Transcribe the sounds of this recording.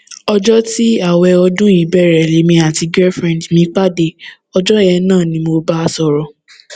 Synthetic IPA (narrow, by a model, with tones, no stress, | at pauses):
ɔ˧d͡ʒɔ˦ti˦a˦˨wɛ˧ɔ˧dũ˦i˨˦bɛ˦˨ɾɛ˨le˨˦mĩ˧a˨ti˧ɡɛ˦fɾɛ̃˨dmĩ˧˦k͡pa˦de˧˨ | ɔ˧d͡ʒɔ˦jɛ˧nãː˦˨nĩ˧mo˧ba˦˧sɔ˧ɾɔ˧